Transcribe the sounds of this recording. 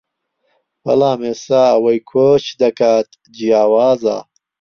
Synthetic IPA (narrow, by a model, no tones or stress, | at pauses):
wɐ̰laːmesaːɐwɐjkʰoːt͡ʃd̪ɐkaːt̪ | d͡ʒijaːwaːza̰ː